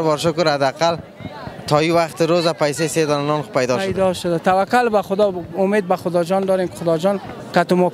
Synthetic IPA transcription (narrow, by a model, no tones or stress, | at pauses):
bɔɾʃʊkʊɾhad̪aqal | t̪ʰɔiwaxt̪ɪɾozapajsesed̪ɔnanɔnpajd̪ɔjd̪ɔʃʊd̪at̪awakːʊlbaxʊd̪ɔʊmed̪̚baxʊd̪ɔd͡ʒɔnd̪ɔɾemkɪ̥xʊd̪ɔd͡ʒɔn | kat̪ʊmɔ